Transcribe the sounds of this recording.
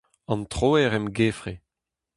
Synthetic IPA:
ɑ̃nt̪χoːɛʁɛmɡeːfʁe

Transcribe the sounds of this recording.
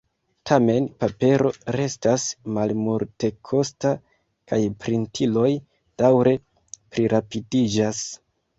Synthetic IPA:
tʰame̞npape̞ɾo̞ɾe̞stasmalmuɾte̞kʰo̞sta | kajpɾintʰilo̞j | d̥awɾe̞ | pɾiɾʔapidid͡ʒas

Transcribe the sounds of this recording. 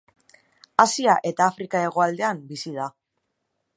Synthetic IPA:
asiaʔe̞t̪aːfɾikae̞ɣ̞o̞ald̪e̞ambisið̞a

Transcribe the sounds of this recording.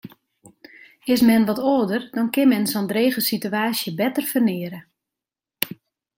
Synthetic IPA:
ɪsmɛnʋɔtoːdərdɔnkɪnmɛnsɔndreːɣəsityaːsjəbɛtərfərnɪːəɾə

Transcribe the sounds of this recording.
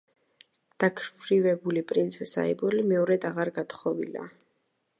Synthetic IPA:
d̪̥akʰɾvɾivɛbulipʼɾint̪sʰɛsa̰ibɔlimɛɔɾɛd̪aʁaɾɡat̪χɔvḭla̰

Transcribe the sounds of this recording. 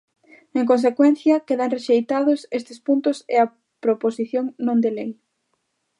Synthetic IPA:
eŋkons̬ekwɛnθjɐkeðaŋreʃejt̪aðʊsest̪ɪspunt̪ʊsḛɐ | pɾoposiθjoŋnõnd̪elej

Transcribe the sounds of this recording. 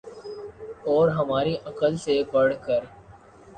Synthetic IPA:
ɔːɾɦɐmaːɾiʔɐkəlsepɐɽ̤kəɾ

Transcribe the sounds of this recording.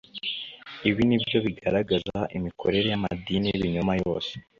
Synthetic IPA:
iβinibɟo̞βiɡaɾaɡazaʔimikʰo̞̰ɾe̞ɾe̞jamadiniβiɲomajo̰ːse̥

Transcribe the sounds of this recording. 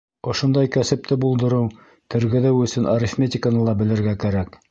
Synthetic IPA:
ŏʃond̪ɑjkæsɘ̆p̚t̪ɘbulˠd̪ɤ̆ɾɤw | t̪ɘ̆ɾɡɘ̆ðɘwɵ̆sɵnʔɐɾʲɪfmʲetʲɪkənɤlˠɑbɘ̆lɘ̆ɾɡækæɾæk

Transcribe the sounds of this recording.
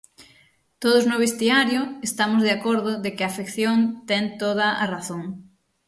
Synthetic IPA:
t̪oð̞ʊznʊβ̞est̪iaɾjʊest̪amʊzðeakoɾðʊðekɪafekθjont̪ɛŋt̪oð̞ɐaraθoŋ

